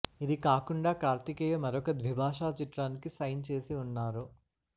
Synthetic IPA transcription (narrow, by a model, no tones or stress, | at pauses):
id̪ikaːkuɳɖaːkaːɾt̪ikɐjɐmɐɾɔkɐd̪ʋibʱaːʂaːt͡ʃiʈɾaːnikisɐjnt͡ʃe̞ːsiunːaːɾu